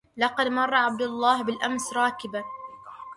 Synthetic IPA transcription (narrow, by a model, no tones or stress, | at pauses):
lɑqɑd̪mɑrˤːɑʕab̚d̪ʊlˤːɑːhbɪlʔamsɾˤɑːkɪba